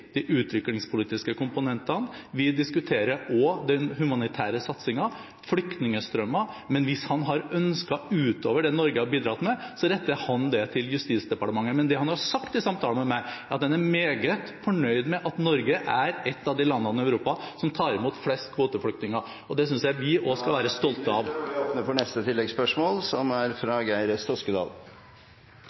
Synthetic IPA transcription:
d̪̥iʔʉːt̪ʰʋɪklɪŋspʰʊliːt̪ɪskəkʊmpʊnɛnt̪ɑnʋɪd̪ɪskʉt̪ʰeːɾəʔɔd̪ɛnhʉmɑnɪt̪ʰæːɾəsɑt̪sɪŋɑ | flʏkt̪nɪŋəst̪ɾœmːɑmɛnʋɪshɑnɦɑɾœnskɑʉːt̪oːʋəɖɛnɔɾɡəhɑɾbiːd̪ɾɑt̪mɛsɔɾɛt̪ːəhɑnd̪ɛt̪ʰɪljʉst̪iːt̪sd̪ɛpɑʈəmɑŋːəmɛnd̪ɛhɑnhɑsɑkt̪ɪsɑmt̪ʰɑːləmɛmæɪɾɑt̪d̪ɛnæɾmeːɡət̪fɔɳœʏd̪mɛʔɑt̪nɔɾɡəʔæɾɛt̪ːɑʋd̪ɪlɑnːɑnɪœʉɾuːpɑsɔmt̪ʰɑːɾɪmuːt̪flɛst̪kʰʋoːt̪əflʏkt̪nɪŋəɾ | ɔd̪ɛs̬ʏnsjæɪʋɪʔɔskɑlʋæːɾəst̪ɔlt̪əɑʋoːpnəfɔɳɛst̪ət̪ʰɪlːɛɡspœʂmoːlsɔmæɾfɾɑɡæɪɾəst̪ɔskəd̪ɑ̰ːl

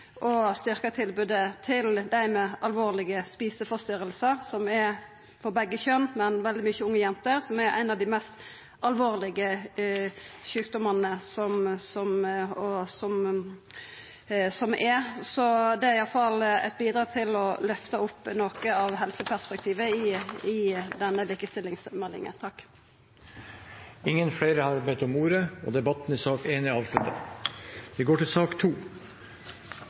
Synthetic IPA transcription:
ʔɔst̪ʏɾkət̪ʰɪlbʉːd̪ət̪ʰɪld̪æɪmɛʔɑlʋoːʁlɪɡəspiːsəfɔɾst̪ʏɾəlsəɾsɔmɛɾ | fɔɾbɛɡːəçœnmɛnʋɛld̪ɪmʏçːəʊŋːəjɛnt̪əɾsɔmɛɾæ̰ɪnɑʋd̪ɪmɛst̪ | ɑlʋoːʁlɪɡə | çʉːk̚d̪ɔmɑnəsɔmsɔmɔsɔm | sɔmʔɛsɔd̪ɛæɾɪjɑlfɑlɛ̰t̪̚biːd̪ɾɑːɡt̪ʰɪlɔlœft̪əʊpːnoːkəɑʋɦɛlsəpʰæɾʂpɛk̚t̪ʰiːʋəɪɪd̪ɛnːəliːkəst̪ɪlːɪŋsmɛlːɪ̰ŋə̰nt̪ʰɑkː | ɪŋːənfɽeːɾəhɑɾbɛt̪ɔmuːɾəɔ̰d̪ɛbɑt̪ːn̩ɪsɑːkeːnʋɪɑːʋʂɭʉt̪ːə̰ | ʋɪɡoːʈɪlsɑːkt̪ʰuː

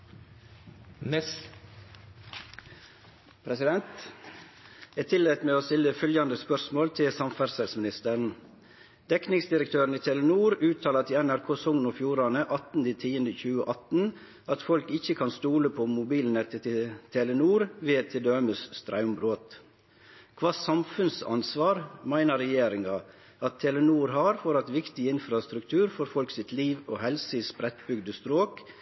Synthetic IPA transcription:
pʰɾɛsɪd̪ɛnt̪ | æɪt̪ʰɪlet̪meːoːst̪ɪlːəfœljɑnd̪əspœsmoːlt̪ʰɪlsɑmfæɾsɛlsmɪnɪst̪əɾn̩ | d̪̥ɛknɪŋsd̪ɪɾək̚t̪ʰøːɾən̩iːt̪ʰɛlənuːɾʉːt̪ʰɑːlɑt̪ʰɪɛnæɾkʰoːsʊŋnofjuːɾɑnəʔɑt̪n̩d̪iːt̪ʰiːənd̪əçʉːəʔɑt̪n̩ | ɑt̪fɔlkɪçːəkʰɑnst̪uːləpʰɔmʊbiːlnɛt̪ʰət̪ʰɪt̪ʰɛlənuːɾʋeːt̪ʰɪd̪øːməsst̪ɾɑʉmbɾoːt̪ | kʰʋɑːsɑmfʉnsɑ̰nsʋɑːɾmæɪnəɾɛjeːɾɪŋɑ | ɑt̪ʰːɛːlənuːɾɦɑɾfoːɾɑt̪ʋɪkt̪ɪɪnfɾɑst̪ɾʉkt̪ʰʉːɾfɔɾfɔlksɪt̪liːʋoːhɛlsəspɾɛt̪bʏɡd̪əst̪ɾoːk

